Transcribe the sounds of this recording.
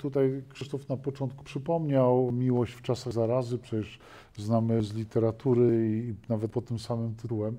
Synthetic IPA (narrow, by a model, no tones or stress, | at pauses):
t̪ut̪ajkʂɘʂt̪ɔfnapɔt͡ʂɔnt̪̚ku̥pʂɘpɔmɲawmʲiwɔɕt͡ɕft͡ʂasaɣzaɾazɘpʂɛt͡ɕɛʂ | znamɘzlʲit̪ɛɾat̪uɾɘiːnavɛt̪̚pɔt̪t̪ːɘmsamɘmt̪ɘt̪uwɛm